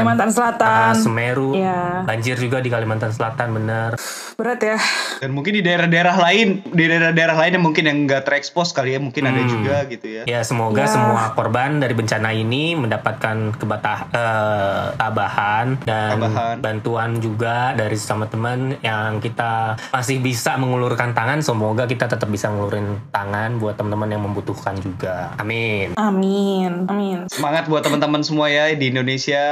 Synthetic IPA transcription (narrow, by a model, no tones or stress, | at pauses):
mant̪ansəlat̪ansəmeɾujabaɲd͡ʒɪrd͡ʒuɡadikalimant̪ans̬əlat̪anbənər | bəɾat̪jadanmuŋkɪndidaeɾahdaeɾaɦlaɪndidaeɾahdaeɾaɦlaɪnjamuŋkɪnjaŋɡat̪ərɛkspɔskalijamuŋkɪnnadad͡ʒuɡaɡit̪ujajasəmoɡasəmuakɔrbandaɾibəɲt͡ʃanainiməndapat̪̚kankəbat̪aət̪abahandanɦnbant̪uand͡ʒuɡadaɾisə̥samat̪əmənjaŋkit̪amasɪhbisaməŋulurkant̪aŋansəmoɡak̬it̪at̪ət̪əp̚bisaməŋuluɾɪnt̪aŋanbuat̪ːəmənt̪əmənjaŋməmbut̪uhkand͡ʒuɡaamɪnaminaminsəmaŋat̪̚buat̪ːəmənt̪əmənsəmuajadiːndonesia